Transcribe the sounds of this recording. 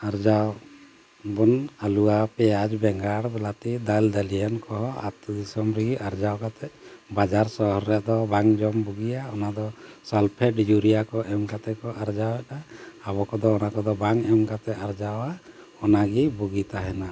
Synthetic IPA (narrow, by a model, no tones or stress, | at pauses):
aɾd͡ʒaw | bunaluapɛjad͡ʒbɛŋɡaɽbɛlat̪id̪ald̪alijankɔɦɔa̰t̪d̪isɔmɾiɡiaɾd͡ʒawkat̪ɛbad͡ʒaɾsɔɦɔɾːɛjaʔd̪ɔbaŋd͡ʒɔmbuɡijaɔnad̪ɔsɔlpʰɛɖd͡ʒuɾijakɔʔɛmkat̪ɛkɔʔaɾd͡ʒawɛtaabɔkɔd̪ɔːnakɔd̪ɔbaŋɛmkat̪ɛaɾd͡ʒawa | ɔnaɡibuɡit̪aɦɛna